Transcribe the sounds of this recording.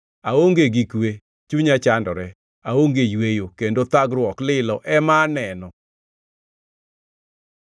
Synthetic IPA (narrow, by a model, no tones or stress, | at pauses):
aoŋɡeɡikwe | t͡ʃuɲat͡ʃandɔɾɛ | aoŋɡejwejokendot̪aɡɾwɔklɪlɔʔɛmanɛnɔ